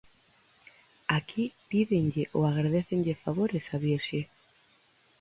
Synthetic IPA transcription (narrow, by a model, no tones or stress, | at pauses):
akʰipiðeŋʎɪʔoaɣɾaðeθeŋʎefaβoɾesaβiɾʃe